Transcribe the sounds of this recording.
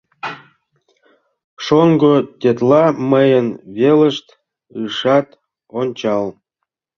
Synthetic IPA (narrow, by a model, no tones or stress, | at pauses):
ʃoŋɡot̪ʲet̪lɑməjənβeləʃt̪ | ɯʃɑt̪ | onʲt͡ɕɑl